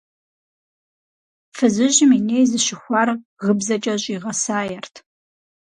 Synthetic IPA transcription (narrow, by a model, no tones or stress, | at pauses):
fɨzɨʒɪminejzɨʃɪxʷɑrʁəbzɐt͡ʃʼɐɕʼiʁɐsaːjɛrtʰ